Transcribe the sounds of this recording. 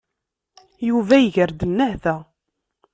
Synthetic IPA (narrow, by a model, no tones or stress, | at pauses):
juvæjʝəɾd̪ənːæhθæ